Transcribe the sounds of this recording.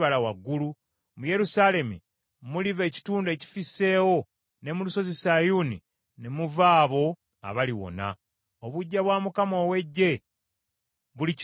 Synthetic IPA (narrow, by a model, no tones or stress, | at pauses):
βalawaɡːulu | muje̞ɾusale̞mḭ | mulive̞ːci̥tuːnde̞ːci̥fise̞ːwo̞ | ne̞muluso̞zesajuni | ne̞muvaːβo̞ | a̰βaliwo̞̰na̰ | oβuɟːaβwaːmukamo̞ːwe̞ɟːe̞ | βulic